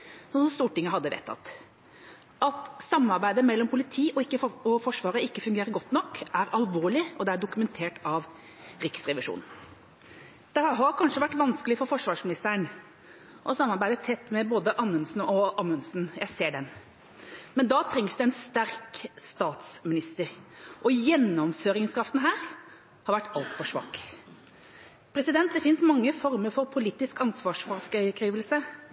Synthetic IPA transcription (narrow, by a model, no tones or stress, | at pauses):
sɔnsɔmst̪uːʈɪŋːəɦɑd̪ːəʋɛ̰t̪ʰːɑ̰t̪ | ʔɑt̪sɑmːɑɾbæɪd̪əmɛlːɔmpʰʊlɪt̪ʰiːʔɔɪkːəɔfɔʂʋɑːɾəɪkːəfʉŋɡeːɾəɾɡɔt̪ːnɔkːæɾɑlʋoːɭɪʔɔd̪ɛæɖʊkʉmɛnt̪ʰeːʈɑʋ | ɾɪksɾɛʋɪʂṵːnn̩ | d̪̥ɛhɑɦɑɾkʰɑnʂəʋæʈːʋɑnskəlɪfɔɾfɔʂʋɑːʂmɪnɪst̪əɾəɳ | ʔɔsɑmːɑɾbæɪd̪ət̪ʰɛt̪ːmɛboːd̪əʔɑmʉnsn̩ɔʔɑmʉnsn̩jæɪseːɖɛn | mɛnd̪ɑːt̪ʰɾɛŋsd̪ʉɛnst̪æɾkst̪ɑːt̪smɪnɪst̪əɾʔɔjɛnːɔmføːɾɪŋskʰɾɑft̪n̩ɦæːɾ | hɑɾʋæʈːɑlt̪fɔʂʋɑ̰ːk | pʰɾɛsɪd̪ɛnt̪̚d̪ɛfɪnsmɑŋːəfɔɾməɾfɔɾpʰʊliːt̪ɪskɑnsʋɑːʂfɑɾskkʰɾiːʋəlsə